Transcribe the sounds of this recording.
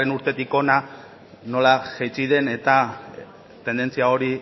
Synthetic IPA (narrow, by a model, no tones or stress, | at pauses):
renuɾt̪e̞t̪iko̞na | no̞laʝejt͡siðe̞ne̞t̪a | t̪e̞nd̪e̞nt͡siao̞ɾi